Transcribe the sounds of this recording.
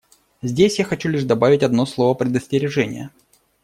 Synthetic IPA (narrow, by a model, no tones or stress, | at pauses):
zʲdʲesʲjaxɐt͡ɕulʲiʂd̪ɐbavʲɪtʲɐd̪no̞slˠo̞vəpɾʲɪd̪əsʲtʲɪɾʲɪʐɛnʲɪ̰jə̰